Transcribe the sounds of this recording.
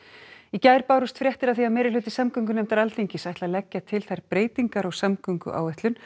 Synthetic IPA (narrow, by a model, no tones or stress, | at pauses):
icajɾpaːwɾʏst̪fɾjɛht̪ɪɾaðθiaðmɛːɾɪlʏːt̪ɪsamkʏŋkʏnɛmt̪aɾalt̪eɲcɪsajht̪laðlɛcːat̪ʰɪlθajɾpɾeːjt̪iŋkaɾɔɣsamkʏŋkʏ̰ʔa̰ːwvɛht̪lʏn